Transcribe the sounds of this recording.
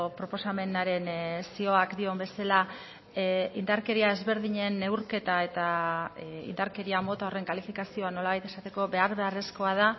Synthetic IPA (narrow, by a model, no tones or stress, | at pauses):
pɾo̞po̞same̞naɾe̞nsio̞akd̪io̞mbe̞sala | ind̪aɾke̞ɾiae̞zβe̞ɾð̞iɲe̞nːe̞wɾke̞t̪ae̞t̪a | ḭnd̪aɾke̞ɾiamo̞t̪ao̞re̞ŋkalifikasio̞ano̞laβajt̪e̞sat̪e̞ko̞be̞aɾβe̞are̞sko̞að̞a